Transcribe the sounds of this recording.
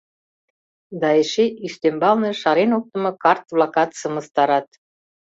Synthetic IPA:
d̪ɑeʃeʔyʃt̪embɑlnɤʃɑɾenok̚t̪ə̆mɤ̆kɑrt̪βlɑkɑt̪sə̆mə̆st̪ɑɾɑt̪

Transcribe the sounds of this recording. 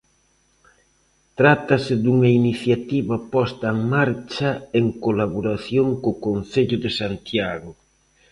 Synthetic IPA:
t̪ɾat̪ɐsɪd̪uŋɐiniθjat̪iβɐpɔst̪ɐeŋmaɾt͡ʃɐeŋkolaβoɾaθjoŋkokon̟θeʎʊðɪsant̪jaɣʊ

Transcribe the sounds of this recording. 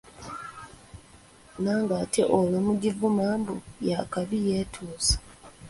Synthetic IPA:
naːŋɡatʰeʔolomuɟivumaːmbujakaβije̞ːtʰuːsḁ

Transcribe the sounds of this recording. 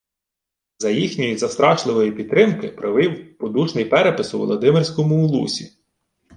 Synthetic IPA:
zɐjixnʲɔjizɐst̪ɾɑʃlˠɪʋɔjipʲid̪̚t̪ɾɪmkɪpɾʔɪʋɪwpɔd̪uʃnɪjpɛɾepɪsʊʋɔ̰lˠɔd̪ɪmɪrʲsʲkɔmʊːlˠṵsʲi

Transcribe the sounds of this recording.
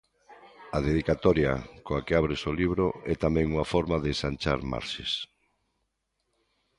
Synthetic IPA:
aðeðikat̪ɔɾja̰koakeaβ̞ɾesoliβ̞ɾoɛt̪amɛ̃ŋuŋafɔɾmaðesant͡ʃa̰ɾma̰ɾʃes

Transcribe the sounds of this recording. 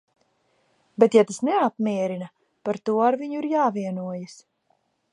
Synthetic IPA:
bet̪jat̪asnɛapmiɛɾinɐ | paɾt̪uɔaɾviɲuiɾjaːviɛnuɔjas

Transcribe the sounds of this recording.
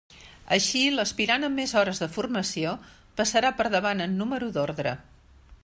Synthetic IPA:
əʃiləspiɾanəmːezɔɾəzðəfurməsio | pəsəɾapəɾðəβanənːuməɾuðoɾðɾə̰

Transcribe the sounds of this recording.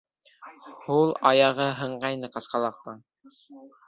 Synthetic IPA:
hulˠɑjɑʁɤɦɤ̆ɴɢɑjnɤqɑsqɑlˠɑq̚t̪ɑn

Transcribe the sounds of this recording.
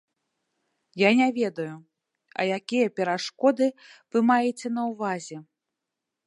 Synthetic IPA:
janʲavʲɛd̪ɐju | ɐ̰jakʲijɐpʲɛɾaʂkɔd̪ɨvɨmajɛt͡sʲɛnɐwvazʲɛ

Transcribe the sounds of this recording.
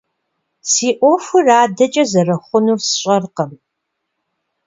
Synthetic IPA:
siːʔʷɔfɨraːdɐt͡ʃʼɐzɐrɐχʷʊnuːrsɨɕʼɐrqɐm

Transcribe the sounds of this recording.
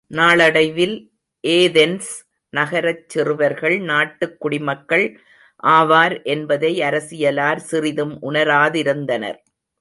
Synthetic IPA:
naːɭɐɽɐɪʋɪl | ʔeːðɛns | nɐɣɐɾɐt͡ʃːɪrɯʋɐɾɣɐɭnaːʈːɯkːʊɽɪmɐkːɐɭ | ʔaːʋaːɾʔɛnbɐðɐɪɐɾɐsɪjɐlaːɾsɪrɪðɯmʔʊnɐɾaːðɪɾɯnd̪ɐnɐ̰ɾ

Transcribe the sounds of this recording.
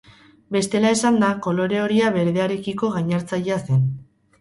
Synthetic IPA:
be̞st̪e̞lae̞sand̪ako̞lo̞ɾe̞o̞ɾiaβe̞ɾðe̞aɾe̞kiko̞ɣajɲaɾt͡saʎeasen

